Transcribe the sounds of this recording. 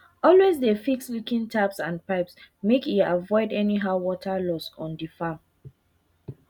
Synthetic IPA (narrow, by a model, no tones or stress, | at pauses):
ɔlwezdefikslukĩntʰapsãnpaɪpsmekiavɔɪdɛniɦawɔtʰalɔsɔ̃ndifãm